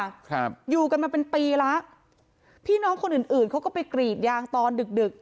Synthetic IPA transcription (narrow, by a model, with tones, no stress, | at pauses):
kʰp̚juː˨˩ka˧nmaː˧pe˧npiː˧la˦˥ʔ | pʰiː˥˩nɔː˦˥ŋkʰo˧nʔɯː˨˩nʔɯː˨˩nkʰwkɔː˥˩pa˧jkɾiː˨˩t̪̚jaː˧ŋt̪ɔː˧ndɯ˨˩k̚dɯ˨˩k̚